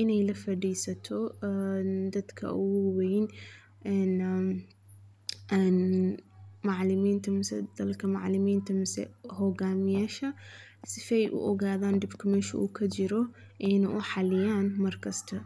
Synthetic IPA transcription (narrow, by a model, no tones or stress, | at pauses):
ʔɪnɛjlɐfɐɖijsɐt̪ʰɔ | d̪ɐd̪kʰɐ̰ʊ̰ɡʊwwɛjn | ɛn | ɛn | maʕlɪmiːnt̪ʰɐmɪsɛ̰d̪̥ɐlkʰɐmaʕlɪmiːnt̪ʰɐmɪsɛ̰hɔɣaːmɪjaːʃɐ | sɪfɛjʔʊ̰ʔɔɣaːðaːnd̪ɪbkʰɐmɛːʃʊ̰ʔṵːkʰɐd͡ʒɪɾɔ | ʔɛnʔʊħɑlɪjaːnmɐrkʰɐst̪ʰɐ